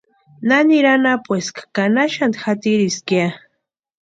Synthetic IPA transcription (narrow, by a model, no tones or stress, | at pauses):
naniɾanapweskḁkanaʃant̪xat̪iɾiskja